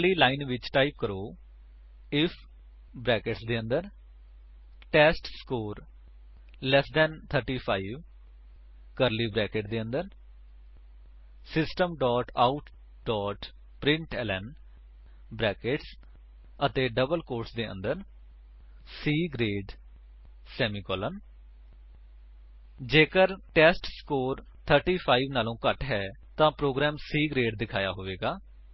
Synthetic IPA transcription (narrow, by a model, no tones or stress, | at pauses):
liːlaːɪnʋɪt͡ʃʈaːɪp̚kəɾoː | ɪfʰ | bɾɛːkeʈsd̪eːə̃nd̪əɾ | ʈɛːsʈskoːɾ | lɛsd̪ɛ̃nt̪ʰəɾʈiːpʰaːiʋ | kəɾliːbɾɛːkeʈd̪eːə̃nd̪əɾ | sɪsʈəmɖɔːʈaʊʈʰ | ɖɔːʈ | pɾɪ̃ɳʈɛːlɛn | bɾɛːkeʈs | ət̪eːɖəbəlkoːɾʈsd̪eːə̰̃nd̪əɾ | siːɡɾeːɖ | sɛːmiːkɔːlən | d͡ʒeːkəɾʈɛːsʈskoːɾ | t̪ʰəɾʈiːpʰaːiʋnaːlõːkəʈɦɛː | t̪ãːpɾoːɡɾɛːmsiːɡɾeːɖd̪ɪkʰaːjaːɦoːʋeːɡaː